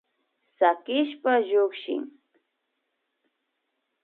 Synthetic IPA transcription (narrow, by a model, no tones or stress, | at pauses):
sakɪʃpaʎokʃɪ̰ŋ